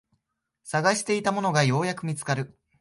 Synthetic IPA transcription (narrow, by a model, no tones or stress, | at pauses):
saɡaɕi̥t̪e̞it̪amo̞no̞ɡajo̞ːjakɯ̟mʲit͡sɨ̥kaɾɯ̟